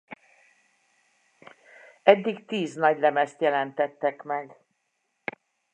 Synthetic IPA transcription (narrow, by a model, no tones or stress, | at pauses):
ɛɟːiɡt̪iːznɒɟlɛmɛst̪jɛlɛnt̪ɛt̪ːɛkmɛɡ